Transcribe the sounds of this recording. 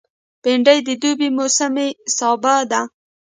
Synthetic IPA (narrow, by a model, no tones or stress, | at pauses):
peɳɖajd̪əd̪ubimosamesɑbad̪a